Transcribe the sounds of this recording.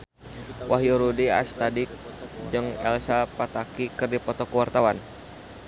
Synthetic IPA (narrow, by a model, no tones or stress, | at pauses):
wʔaɦjuɾudia̰st̪adɪk̚d͡ʒɨŋɛ̰lsapat̪akikɨrdipɔt̪ɔkəwart̪awan